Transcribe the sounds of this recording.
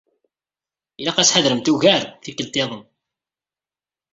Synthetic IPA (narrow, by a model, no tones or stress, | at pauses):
ilaqæsħaðɾəmt̪uɣæɾθikːəlt̪eðˤən